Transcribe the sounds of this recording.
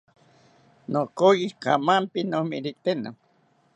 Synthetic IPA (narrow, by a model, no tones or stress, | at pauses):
nokojika̰mampinomiɾiʔt̪eno̰